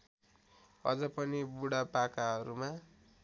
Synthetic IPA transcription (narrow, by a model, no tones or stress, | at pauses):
ʌ̰d͡zʌpʌnibuɽapakaɦʌɾuma